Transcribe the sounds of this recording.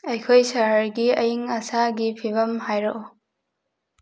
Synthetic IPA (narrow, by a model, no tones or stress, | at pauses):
ɐjkʰojsɐɦəɾɡiɐjiŋɐsaɡipʰibɐmɦajɾoʔ